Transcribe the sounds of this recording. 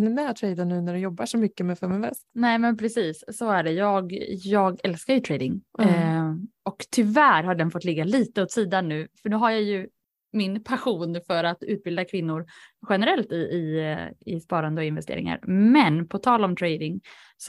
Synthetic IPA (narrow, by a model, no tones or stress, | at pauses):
nɛnɛt̪ʰɾɛjd̪anʉ̟ːnæɖɛjɔbːaʂɔmʏkːəmɛfœmɛnvɛ̰st̪nɛːmɛnpʰɾɛsiːsːɔæɖɛjɑːɡjɑːɡɛlskaɾjɵt̪ʰɾɛjd̪ɪŋ | ɔkt̪ʰʏvæːɾɦaɖɛnfɔt̪ːlɪɡːaliːt̪əɔt̪siːd̪anːʉ̟ːfœɳʉ̟ːɦaɾjajɵ | mɪnpʰaɧuːnfœɾat̪ʉ̟ːt̪̚bɪld̪akʰvɪnːʊɾɧɛnəɾɛlt̪ɪɪɪ̰spɑːɾand̪əɔɪnvɛst̪ḛːɾɪ̰ŋa̰ɾmɛnpʰɔt̪ʰɑːlɔmt̪ʰɾejd̪ɪŋ | s